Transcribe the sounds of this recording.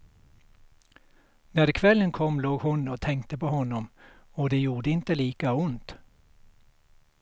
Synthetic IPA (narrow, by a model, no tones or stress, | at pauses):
næɾkʰʋɛlənkʰɔmloːɡhʊnoːt̪ʰɛŋkt̪əpoːhɔnʊmoːd̪eːjuːɾəɪnt̪əliːkɑʊnt̪